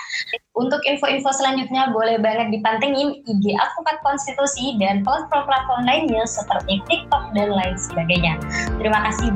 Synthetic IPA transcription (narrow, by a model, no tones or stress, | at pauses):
ʔunt̪ʊkinfoinfosəlaɲd͡ʒut̪̚ɲabolɛhbaŋət̪̚dipant̪əŋɪnideʔa̰fukat̪̚kɔnst̪it̪usidanpɔplɔplak̪ɔnlaɪnɲasət̪ərik̚t̪ik̚t̪ɔk̚danlaɪnsəbaɡajɲat̪əɾimakasɪ